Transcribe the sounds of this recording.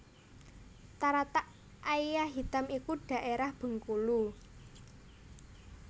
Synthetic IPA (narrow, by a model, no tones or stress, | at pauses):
t̪aɾat̪aʔ | ʔaijaɦit̪amikuɖ̥ä̤ʔeɾahb̥ə̤ŋkulu